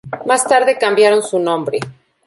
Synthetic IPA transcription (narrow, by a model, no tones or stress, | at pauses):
mast̪aɾðe̞kambjaɾo̞nsunõ̞mbɾe̞